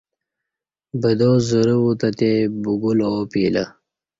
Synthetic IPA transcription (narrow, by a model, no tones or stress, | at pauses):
bəd̪oːzuɾəwut̪at̪ebuɡulopiːlə